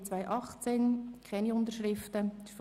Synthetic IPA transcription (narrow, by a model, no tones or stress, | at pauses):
t͡svaɪʔɑχt͡seːnkʰɛniʊntəɾʃʁɪftə̥f